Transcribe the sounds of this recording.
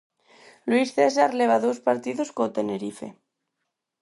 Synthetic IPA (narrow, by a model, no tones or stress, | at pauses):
lwisθesaɾleβ̞aðospaɾt̪iðoskot̪eneɾife̞̰